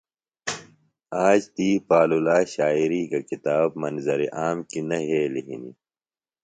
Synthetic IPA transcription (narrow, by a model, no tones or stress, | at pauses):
aːd͡ʑt̪iːpaːlulaːɕaːiɾiːkakit̪aːb̚mɐnzɐɾiʔaːmkinɐɦeːliɦini